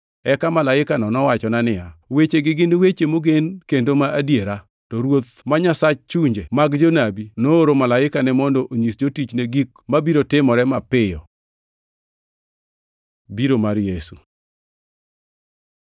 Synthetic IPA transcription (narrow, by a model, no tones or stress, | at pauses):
ɛkamalaɪkanɔnɔwat͡ʃɔnanɪjawet͡ʃeɡɪɡɪnwet͡ʃemoɡenkendomaadjeɾa | tɔɾwot̪maɲasat͡ʃt͡ʃuɲd͡ʒemaɡd͡ʒonabinooɾomalaɪkanɛmɔndɔʔoɲisd͡ʒotit͡ʃneɡik | mabiɾotɪmɔɾɛmapɪjɔ | biɾomaɾjesu